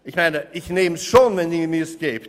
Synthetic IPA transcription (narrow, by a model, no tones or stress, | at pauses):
ɪçmãɪ̃nəɪçnẽːmʃõnvɛ̃njimiəskeɪp